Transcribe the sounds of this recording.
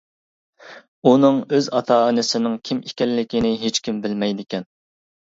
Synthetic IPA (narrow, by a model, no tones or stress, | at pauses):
unɨŋøzɑt̪ʰɑːɨnɪsɪnɪŋkʲʰimikʲɛlːɪkʲinɪɦet͡ʃkʲimbɪlmɛjd̪ɪkʲɛn